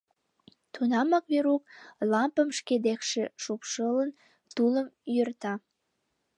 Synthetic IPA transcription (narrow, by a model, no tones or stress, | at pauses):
t̪unɑmɑkβeɾuk̚lɑmpəmʃked̪ekʃĕʃupʃələn | t̪uləmjørt̪ɑ